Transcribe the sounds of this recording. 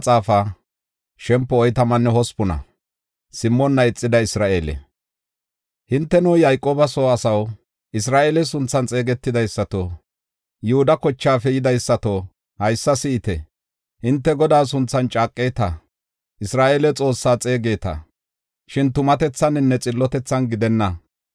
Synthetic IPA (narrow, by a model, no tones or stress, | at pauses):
t͡sʼaːfa | ʃɛmpːɔːjt̪ɐmɐnːɛɦɔspʊnɐ̰ | sɪmːɔnːɐɪt͡sʼːɪd̪ɐɪsɾaːʔeːlɛ̰ | hɪnt̪ːɛnujajkʼːoːbɐsoːɐsɐw | ʔɪs̬ɾaːʔeːlɛsʊnt͡sːɐnt͡sʼe̞ːɡɛt̪ːɪd̪ɐjsːɐt̪o | jʊhʊd̪ɐkɔt͡ʃːaːfɛjɪd̪ɐjsːɐt̪o | hɐjsːɐsɪːt̪ɛ | hɪnt̪ːɛɡɔd̪aːs̬ʊnt͡sːɐnt͡ʃʼaːkʼːeːt̪ɐ | ʔɪsɾaːʔelɛt͡sʼo̞ːsːaːt͡sʼe̞ːɡe̞ːt̪ɐ̰ | ʃɪnt̪ʊmɐt̪ɛt͡sːɐnɪnːɛt͡sʼɪlːɔt̪ɛt͡sːɐnɡɪd̪ɛnːɐ